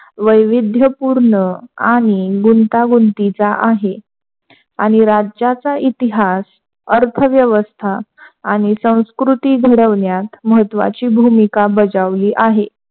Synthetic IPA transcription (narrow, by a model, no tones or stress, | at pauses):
ʋəjʋid̪ʱjəpuɾɳəaɽ̃iɡunt̪aɡunt̪it͡saʔaɦe | aɽ̃iɾad͡ʑat͡sait̪iɦas | əɾt̪ʰəʋjəʋəst̪ʰaːɽ̃isə̃w̃skɾut̪iːɡʱəɽəʋɳjat̪məɦət̪ːʋa̰t͡ɕiːbʱumikabəd͡zaʋliːʔaɦe